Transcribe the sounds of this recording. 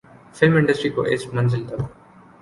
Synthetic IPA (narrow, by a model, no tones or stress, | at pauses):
fɪlmɪ̃ɳɖəsʈɾiko̰ʔḛːsʈmə̃nzɪlt̪əb